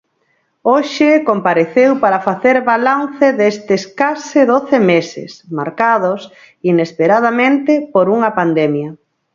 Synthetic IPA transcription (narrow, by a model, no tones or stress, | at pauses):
oʃɪkompaɾeθewpaɾɐfaθeɾβalanθɪðest̪ɪskasɪðoθɪmesɪ̰smaɾkaðos | inespeɾað̞amẽnt̪ɪpoɾuŋɐpand̪ɛmjɐ